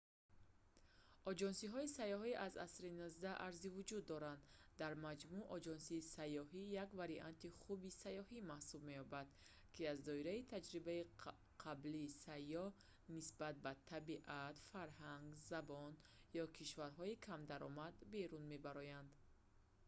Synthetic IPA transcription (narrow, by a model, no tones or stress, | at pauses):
ɔd͡ʒɔnsiɦɔisajɔɦiʔaza̰sɾinɔzd̪aʔaɾzivud͡ʒud̪ːɔɾand̪d̪aɾmad͡ʒmuʔɔd͡ʒɔnsiːsajːɔɦijakvaɾiʔant̪iχubisajɔhimahsubme̞jɔbad̪̥ | kʰiazd̪ɔiɾait̪ʰad͡ʒɾibai | qʰabliːsajːɔh | nisbat̪̚bat̪ʰabiʔat̪faɾɦaŋɡzabɔnjɔkʰiʃvaɾɦɔikʰamd̪aɾɔmad̪be̞ɾunme̞baɾɔjand̪